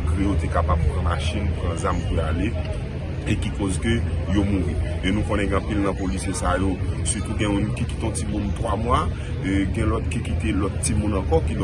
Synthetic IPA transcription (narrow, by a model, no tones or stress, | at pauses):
ɡʁẽjot̪ekapabpʁɐ̃maʃinpʁɐ̃zamkøale | ekikozkøjomũʁienũkõnɛ̃ɡ̃ʌ̃pilnɐ̃polisjesajosyt̪uɡɛ̃mũnkikit̪eɔ̃timũnt̪wamwa | ɡɛ̃lɔt̪kikit̪elɔt̪t͡simũnɐ̃kɔkiñ